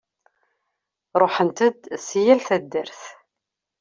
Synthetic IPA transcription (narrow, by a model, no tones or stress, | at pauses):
ɾˤoħənt̪əd̪sjælθæd̪ːəɾθ